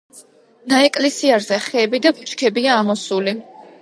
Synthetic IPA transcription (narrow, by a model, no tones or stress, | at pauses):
naɛkʼlɛsiaɾzɛχɛːbid̪abut͡ʃʼkʰɛbiaːmɔsuli